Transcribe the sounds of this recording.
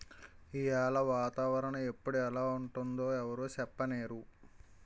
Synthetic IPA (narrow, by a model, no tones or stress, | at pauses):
ijaːlɐʋaːt̪aːʋɐɾɐɳɐe̞pːuɽuɛlaːuɳʈund̪o̞ːɛʋɐɾoːt͡ʃɛpːɐneːɾu